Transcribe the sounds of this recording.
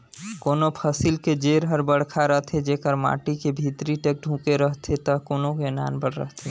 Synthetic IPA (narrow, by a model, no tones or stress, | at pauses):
koːnopʰəsiːlked͡ʒeːɾɦəɾbəɽ̤kʰaɾəɦt̪ʰed͡ʒeːkəɾma̰ːʈikebʱiːt̪ɾiʈek̚ɖʱũːkeɾəɦt̪ʰet̪əkoːnokena̰ːnbəɽɾə̰ɦt̪ʰe